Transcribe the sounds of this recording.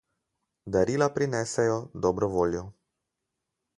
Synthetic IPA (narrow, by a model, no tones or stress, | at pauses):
d̪aɾiːlapɾinɛsɛjɔd̪ɔbɾɔʋoːljɔ